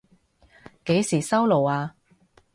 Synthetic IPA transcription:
ke˨˥jsiː˨˩sɐ˥wlo˨˩waː˧

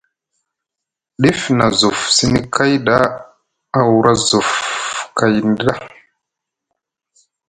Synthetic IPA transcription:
ɗi˦fna˨zu˨fsi˦ni˦kʰa˦jda˦ | a˨wu˦ɾa˦zu˨fka˨jn˦dɗa˦

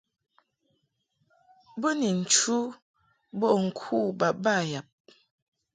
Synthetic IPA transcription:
bə˦ni˨n̩˨t͡ʃu˦ | bɔ˦˨ʔŋ̩˨kʰu˦˨ba˨ʔba˦˨ja˨p̚

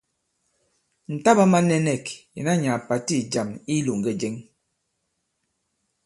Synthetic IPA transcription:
n̩˨ta˦ba˦ma˦nɛ˦nɛ˦˨kjɛ̰˨na˦ɲa˨pa˨ti˦˨d͡ʒa˨mi˦lu˨ŋ˨ɡɛ˦d͡ʒɛ˦ŋ

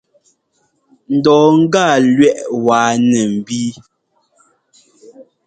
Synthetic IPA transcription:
n̩˨dɔː˨ŋ̩˦ɡaː˦˨lɥɛ˦˨ʔwaː˨nɛ˨m̩˨bi˦

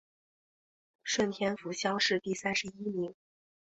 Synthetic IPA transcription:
ʂwə˥˩nt̪ʰjɛ˥nfu˧˥ɕjɑ˥ʊʂɻ̩˥˧t̪i˥˩sa˥nʂɻ̩˧˥i˥mi˧˥ŋ

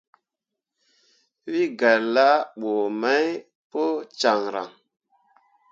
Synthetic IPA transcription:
wi˦ɡa˨lːa˦ɓo˨ma˦j | po˦t͡ʃa˨ŋɾa̰˨ŋ

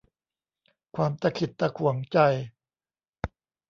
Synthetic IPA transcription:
kʰwaː˧mt̪a˧kʰi˨˩t̪ːa˧kʰu˨˩˦ŋt͡ɕa˧j

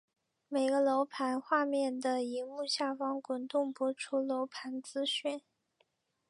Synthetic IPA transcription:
me˨˩ɪɡə˧˦lo˧˥ʊpʰa˧˥nxwa˥˧mjɛ˥˩nd̪ə˩i˧˥mu˥˧ɕja˥˩fɑ˥ŋkʊ˨˩nt̪ʊ˥˩ŋpɔ˧˥ʈ͡ʂʰu˥lo˧˥ʊpʰa˧˥nt͡sɹ̩˥ɕy˥˩n

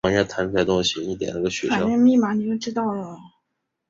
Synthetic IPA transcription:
ɑ˧˥ŋjt̪ʰa˧˥nfʰɛ˥˩t̪ʊ˥ŋɕi˨i˥˩t̪jɛ̰˨˩nə˧˥ə˧˩ɕɥɛ˧˥a˥˨˩nɛ˥˧mi˥˩ma˨˩ni˨˩t͡ɕjo˥˧ʊʈ͡ʂɻ̩˥t̪ɑ˥˩ʊlə˩

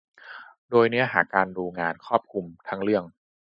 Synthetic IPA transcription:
doː˧jni˦˥ɐɦaː˨˩kːaː˧nduː˧ŋaː˧nkʰɔː˥˩p̚kʰu˧mt̪ʰa˦˥ŋɾɯ˥˩əŋ

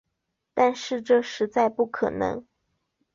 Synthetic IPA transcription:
t̪a˥˧nʂɻ̩˥˧ʈ͡ʂɤ˥˧ʂɻ̩˧˥t͡sa˥˧ɪpu˥˩kʰɤ˨˩nɤ̰˧˥ŋ

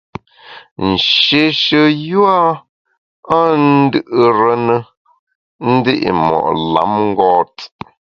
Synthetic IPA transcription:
n̩˨ʃe˨ʃə˦ju˦a˦ | a˦n̩˦dɨ˦ʔə˨ɾə˦nə˦ | n̩˦de˦ʔḭ˨mɔ̰˨ʔla̰˨˦mŋ̩˦ɡɔː˦t

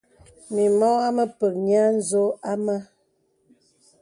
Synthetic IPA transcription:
mi˨mɔ˦a˦mə˦pə˨k̚ɲa˦n̩˦zo˦a˦ma˦

